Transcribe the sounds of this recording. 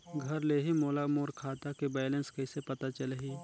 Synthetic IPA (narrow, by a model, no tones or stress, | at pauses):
ɡʱɐɾleːɦimoːlamoːɾkʰaːt̪akibaːjlənskɐɪsepɐt̪at͡ʃɐlɦiː